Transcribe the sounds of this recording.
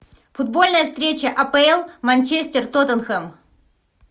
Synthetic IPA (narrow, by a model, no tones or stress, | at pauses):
fʊd̪̚bo̞lʲnəjəfst̪ɾʲet͡ɕəʔɐpəɛlˠmɐnʲt͡ɕesʲt̪ʲɪrt̪ot̪ənxɛm